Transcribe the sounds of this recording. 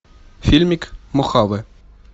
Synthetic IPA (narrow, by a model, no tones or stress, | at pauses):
fʲilʲmʲikmoχɑvɘ